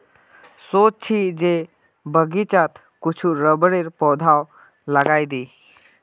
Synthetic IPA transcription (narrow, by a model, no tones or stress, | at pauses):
sot͡ʃ̚t͡ʃʰid͡ʒe | bəɡit͡ʃat̪ | kut͡ʃʰuɾəbəɽeɾpɔd̪ʱaw | laɡajd̪i